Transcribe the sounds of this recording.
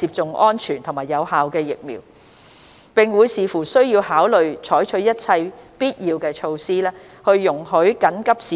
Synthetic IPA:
iː˧p̚t͡sʊ˨ŋʔɔː˥nt͡ʃʰyː˨˩nt̪ʰʊ˨˩ŋmaː˨˩jɐ˨˧whaː˨wkɛː˧jɪ˨k̚mḭː˨˩w | pɪ˨˩ŋwuː˨˧jsiː˨˧fuː˨˩sɵ˥ɥjiː˧whaː˨˥wlɵ˨ɥt͡ʃʰɔː˨˥jt͡ʃʰɵ˨˥jɐ˥t̚t͡sʰɐ˧jpiː˥t̚jiː˧wkɛː˧t͡ʃʰo˧wsiː˥lɛː˥ | hɵ˧ɥːʊ˨˩ŋhɵ˨˥ɥkɐ˨˥nkɐ˥p̚siː˨˦

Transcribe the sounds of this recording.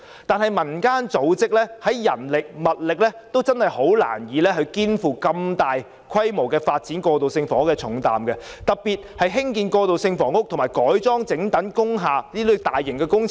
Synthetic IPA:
t̪aː˨nɦɐ˨jmɐ˨˩nkaː˥nt͡so˨˥wt͡sɪ˥k̚lɛː˥hɐ˨˥jːɐ˨˩nlɪ˨k̚mɐ˨t̚lɪ˨k̚lɛː˥t̪o˥wt͡sɐ˥nhɐ˨jho˨˥wla̰ː˨˩njiː˨˧lɛː˥ɦɵ˨˧ɥkiː˥nfuː˨kɐ˧mt̪aː˨j | kʰɐ˥jmo˨˩wkɛː˧faː˧t̚t͡si˨˥nkɔː˧t̪o˨wsɪ˧ŋfɔː˨˥kɛː˧t͡sʰʊ˨˥ŋt̪a̰ː˨mkɛ˧t̪ɐ˨k̚piː˨t̚hɐ˨jɦɪ˥ŋkiː˨nkɔː˧t̪o˨wsɪ˧ŋfɔː˨˩ŋʊ˥k̚t̪ʰmaː˨˩jkɔː˨˥jt͡sɔː˥ŋt͡sɪ˨˥ŋt̪ɐ˨˥nkʊ˥ŋɦaː˨liː˥lɵ˨˧˥t̪aː˨jːɪ˨˩ŋkɛː˧kʊ˥ŋt͡sʰ

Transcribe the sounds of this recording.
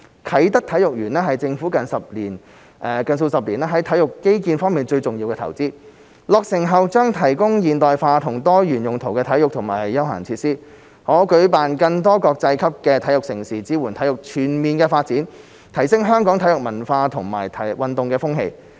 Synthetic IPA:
kʰɐ˨˥jt̪ɐ˥k̚t̪ʰɐ˨˥jʊ˨k̚jyː˨˩nɛː˥ɦɐ˨jt͡sɪ˧ŋfuː˨˥kɐ˨nsɐ˨p̚liː˨˩n | ɛ˨˧kɐ˨ns̬o˧wsɐ˨p̚liː˨˩naː˥ɦɐ˨˥jt̪ʰɐ˨˥jʊ˨kːe˥jkiː˧nfɔː˥ŋmiː˨nt͡ʃɵ˧ɥt͡sʊ˨ŋji˧wkɛː˧tʰɐ̰˨˩wt͡siː˥ | lɔː˨k̚sɪ˨˩ŋɦɐ˨wt͡ʃœː˥ŋt̪ʰɐ˨˩jkʊ˥ŋjiː˨nt̪ɔː˨jfaː˧t̪ʰʊ˨˩ŋt̪ɔː˥jyː˨˩njʊ˨ŋt̪ʰo˨˩wkɛː˧t̪ʰɐ˨˥jʊ˨k̚t̪ʰʊ˨˩ŋmaː˨˩jjːɐ˥wɦa̰ː˨˩ŋt͡sʰiː˧t̚siː˥ | hɔː˨˥kɵ˨˥ɥpaː˨nkɐ˧ŋt̪ɔː˥kɔː˧k̚t͡sɐ˧jkʰɐ˥p̚kɛː˧t̪ʰɐ˨˥jʊ˨k̚sɪ˨˩ŋsiː˨˩t͡siː˨˥wuː˨˩nt̪ʰɐ˨˥jʊ˨k̚t͡ʃʰyː˨˩nmiː˨nkɛː˧faː˧t̚t͡siː˨˥n | t̪ʰɐ˨˩jsɪ˥ŋɦœː˥ŋkɔː˨˥ŋt̪ʰjʊ˨˩k̚mɐ˨˩nfaː˧t̪ʰʊ˨˩ŋma̰ː˨˩jt̪ʰɐ˨jwɐ˨nt̪ʊ˨ŋkɛː˧fʊ˥ŋɦḛ˧j

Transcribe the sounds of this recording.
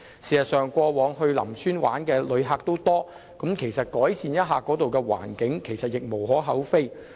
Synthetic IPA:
siː˨ɐ˨t̚sœː˨ŋkʷɔː˧wɔː˨˧˥ŋɦɵ˧ɥlɐ̰˨˩msyː˥nwa̰ː˨˥nkɛː˧lɵ˨˧ɥɦaː˧k̚t̪o˥wt̪ɔː˥ | kɐ˨˥mkʰe˨˩jsɐ˨t̚kɔː˨˥jsiː˨njɐ˥t̚ɦaː˧kɔː˨˥t̪o˨wkɛː˧wa̰ː˨˩nkɪ˨˥ŋkʰe˨˩jsɐ˨t̚jɪ˨k̚mo˨˩wɦɔː˨˥ɦɐ˨˥wfe˥j

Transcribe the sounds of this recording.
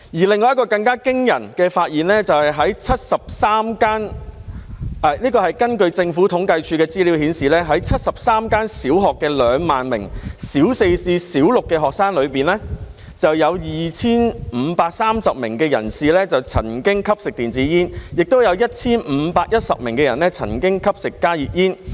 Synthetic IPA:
jiː˨˩lɪ˨ŋːɔː˨˧jkɔː˧kɐ˧ŋkaː˥kɪ˥ŋjɐ̰˨˩nkɛː˧faː˧t̚jiː˨˩nlɛː˥t͡sɐ˨whɐ˨jɦɐ˨˥jt͡sʰɐ˥t̚sɐ˨p̚saː˥mkaː˥n | ɛ˧liː˥kɔː˧hɐ˨˩jkɐ˥nkɵ˧ɥt͡sɪ˧ŋfuː˨˥t̪ʰʊ˨˥ŋkɐ˧jt͡ʃʰyː˧kɛː˧t͡siː˥li˨˥whiː˨˥nsiː˨lɛː˥ɦɐ˨˥jt͡sʰɐ˥t̚sɐ˨p̚saː˥mkaː˥nsiː˨˥wɦɔː˨˩kːɛː˧lœː˨˧ŋmaː˨nmɪ̰˨˩ŋsiː˨˥wse˧jsiː˧siː˨˥wlʊ˨kːɛː˧ɦɔː˨k̚saː˥ŋlɵ˨˧ɥpiː˨˩nɛ˥ | t͡sɐ˨wjɐ˨˧wjiː˨˩t͡sʰiː˥nm̩˨˧paː˧k̚saː˥msɐ˨p̚mɪ̰˨˩ŋkɛː˧jɐ˨˩nsiː˨lɛː˥t͡sɐ˨wt͡sʰɐ̰˨˩nkɪ˥ŋkʰɐ˥p̚sɪ˨k̚t̪iː˨nt͡siː˨˥jiː˥njɪ˨k̚t̪o˥wjɐ˨˧wjɐ˥t̚t͡sʰiː˥nm̩˨˧˦paː˧k̚jɐ˥t̚sɐ̰˨p̚mɪ˨˩ŋkɛː˧jɐ˨˩nlɛ˥t͡sʰɐ̰˨˩nkɪ˥ŋkʰɐ˥p̚sɪ˨kːaː˥jiː˨p̚jiː˥n

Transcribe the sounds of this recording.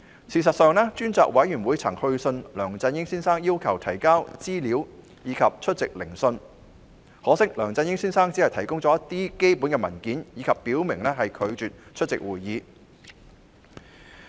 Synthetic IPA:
t͡sʰiː˨s̬ɐ˨t̚sœː˨˧ŋlɛː˥t͡ʃyː˥nt͡sɔː˨k̚wʔɐ˨˥jyː˨˩nwuː˨˧jt͡sʰɐ˨˩ŋhɵ˧ɥsɵ˧nlœː˨˩ŋt͡sɐ˧njɪ˥ŋsiː˥nsaː˥ŋjiː˥wkʰɐ˨˩wt̪ʰɐ˨˩jkaː˥wt͡siː˥liː˨˥w | jiː˨˧kʰɐ˨p̚t͡ʃʰɵ˥t̚t͡sɪ˨k̚lɪ˨˩ŋsɵ˧n | hɔː˨˥sɪ˥k̚lœː˨˩ŋt͡sɐ˧njɪ˥ŋsiː˥nsaː˥ŋt͡si˨˥hɐ˨jt̪ʰɐ˨˩jkʊ˥ŋt͡sɔː˨˧˥ɐ˥t̪ːiː˥ke˥jpuː˨˥nkɛː˧mɐ˨˩nkiː˨˥njiː˨˧kʰɐ˨pːiː˨˥wmɪ˨˩ŋlɛː˥ɦɐ˨jkʰɵ˨˧ɥt͡ʃyː˨t̚t͡ʃʰɵ˥t̚t͡sɪ̰˨k̚wuː˨˩jːiː˨˧

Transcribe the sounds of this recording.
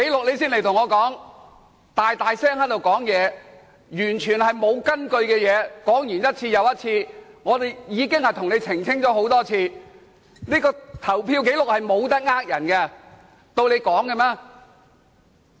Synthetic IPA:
ke˨˥jlʊ˨k̚le˨˧jsiː˥nle˨˩jt̪ʰʊ˨˩ŋɔː˨˧kɔː˨˥ŋ | t̪aː˨jt̪aː˨jsɛː˥ŋhɐ˥t̚t̪o˨wkɔː˨˥ŋjɛː˨˧ | jyː˨˩nt͡ʃʰyː˨˩nhɐ˨jmo˨˧wkɐ˥nkɵ˧ɥkɛː˧jɛː˨˧kɔː˨˥ŋjyː˨˩njɐ˥t̚t͡sʰiː˧jɐ˨˧wjɐ˥t̚t͡sʰiː˧ŋɔː˨˧t̪e˨jjiː˨˧kɪ˥ŋhɐ˨jt̪ʰʊ˨ŋnle˨˧jt͡sʰɪ˨˩ŋt͡sʰɪ˥ŋt͡ʃɔː˨˥ho˨˥wt̪ɔː˥t͡sʰiː˧ | niː˥kɔː˧t̪ʰɐ˨˩wpʰiː˧wke˨˥jlʊ˨k̚hɐ˨jmo˨˧wt̪ɐ˥k̚ŋaː˥k̚jɐ˨˩nkɛ˧ | t̪o˧wle˨˧jkɔː˨˥ŋkɛ˧mɛː˥

